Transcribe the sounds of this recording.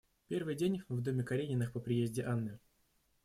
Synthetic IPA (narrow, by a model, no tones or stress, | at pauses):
pʲe̞rvɨjdʲenʲvd̪o̞mʲɪkɐɾʲenʲɪnːɨxpəpɾʲɪjezʲdʲɪʔanːɨ